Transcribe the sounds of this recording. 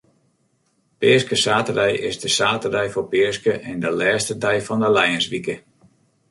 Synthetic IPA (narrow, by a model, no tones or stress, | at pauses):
pɪəskəsaːtərɛjʔɪzdəsaːtədɛjfopɪəskəʔɛndəlɛːstədɛjfɔndəlɛjənsʋikə